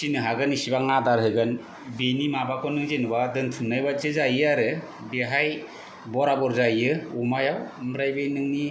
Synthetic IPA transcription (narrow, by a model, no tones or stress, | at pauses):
sinɯɦaɡɯnisibaŋadaɾɦɯɡɯn | benimabakʰɔnɯŋzenɯbadɯntʰumnajbat̚zɯzajɯaɾɯ | beɦaj | bɔɾabɔɾzajɯumajawmɾajbenɯŋni